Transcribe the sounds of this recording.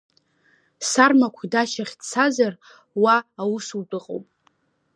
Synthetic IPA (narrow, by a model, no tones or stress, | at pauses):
sarmakʷʰdaʃaχʲdt͡sʰazar | waːwusutʼɨqʼo̰wpʼ